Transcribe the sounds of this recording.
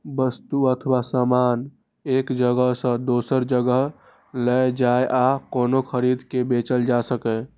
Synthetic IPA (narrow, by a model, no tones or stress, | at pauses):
bəst̪uət̪ʰwasaman | ekd͡ʒəɡəɦsə̃d̪osəɾd͡ʒəɡəɦ | ləed͡ʒaeʔakoːnokʰəɾid̪ʱkebet͡ʃəld͡ʒasəkɛ